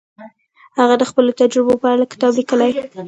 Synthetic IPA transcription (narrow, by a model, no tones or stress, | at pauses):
haɣad̪əxpəlot̪ad͡ʒɾɪbopəaɽalakɪ̥t̪ɑblikəlaj